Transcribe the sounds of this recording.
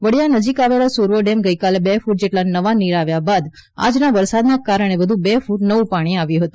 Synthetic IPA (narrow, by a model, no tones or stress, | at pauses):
ʋəɽijanəd͡ʒikaʋelasuɾʋəɖemɡəjkalebefuʈ̚d͡ʒeʈlanəʋaniɾaʋjabad̪a̰d͡ʒnaʋəɾsad̪nakaɾəɽ̃ebəd̪ʱubefuʈnəʋũpaɽ̃iaʋjuɦət̪ũ